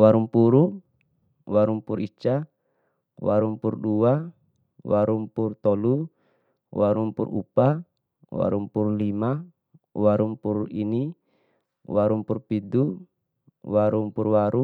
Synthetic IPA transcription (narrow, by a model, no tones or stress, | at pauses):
waɾumpuɾu | waɾumpurit͡ʃa | wa̰ɾumpurdua | waɾumpurt̪ɔlu | waɾumpṵrṵpa | wa̰ɾumpurlima | waɾumpurini | waɾumpurpidu | waɾumpurwaɾu